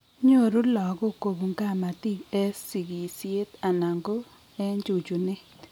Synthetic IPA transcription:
ɲo˦˨ɾu˦lɔ˨ɡo˦ko˨bu˨ŋɡa˦˨ma˨ti˦kɛ˦si˨ɡi˨sje˦ta˨na˨ŋɡo˦ | ɛ˦ɲd͡ʒu˨d͡ʒu˨nɪ˦

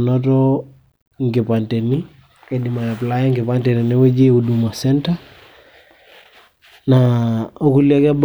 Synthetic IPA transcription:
nɔ˦tɔ | ŋɡi˨pa˨nte˨ni˦ | ke˨di˨ma˨ja˨pla˦ja˦ŋɡɪ˨pante˨ni˨ni˦we˦d͡ʒe˦u˨du˨ma˨sɛ˦nta˦ | nao˦ku˦lia˦ka˦b

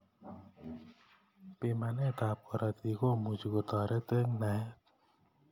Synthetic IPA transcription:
pi˧˨ma˧nɛ˦˨t̪a˨p̚kɔ˨ɾa˧t̪i˧˨ko˦˨mu˨t͡ʃi˨ko˨t̪ɔ˨ɾɛ˦t̪e˦ŋna˨˦t̚

